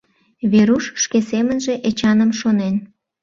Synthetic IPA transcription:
βeɾuʃʃkesemənʒe̽ʔet͡ɕɑnəmʃonen

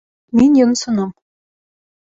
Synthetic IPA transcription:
minjɤ̆nsɤ̆nɤɴ

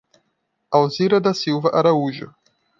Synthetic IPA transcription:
awziɾɐd̪ɐsiwvɐʔaɾauʒʊ̰

